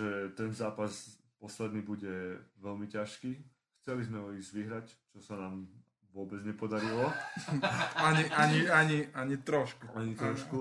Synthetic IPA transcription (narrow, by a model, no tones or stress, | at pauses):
ɛt̪ɛnzaːpaz | pɔslɛd̪niːbuɟɛʋɛlmicaʃkiː | xt͡sɛlizmɛɦɔiːzʋiɦɾact͡ʃɔsanaːm | ʋʊɔbɛd͡zɲɛpɔd̪aɾilɔ | aɲiʔaɲiaɲiaɲit̪ɾɔʃkuaɲit̪ɾɔʃku